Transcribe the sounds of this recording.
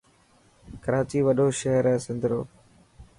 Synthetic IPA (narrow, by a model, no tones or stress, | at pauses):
kəɾaːt͡ʃiːʋəɗoːʃəɦəɾɛ̃ːsɪ̃nd̪ɾoː